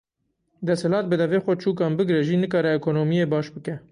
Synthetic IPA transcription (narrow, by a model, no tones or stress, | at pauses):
d̪ɛshɪlɑːt̪̚bɨd̪ɛveːxʷɛt͡ʃʰuːkɛmbɨɡɾɛʒiːnɨkɑːɾɛɛkoːnoːmijeːbɑːʃbɨkɛ